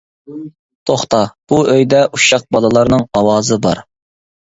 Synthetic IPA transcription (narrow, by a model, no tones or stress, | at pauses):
t̪ʰoχt̪ɑb̥uʔøjd̪ɛʔuʃɑq̚bɑlˠɨlˠɑɾnɨŋɑwɑːzɨbɑ̰ɾ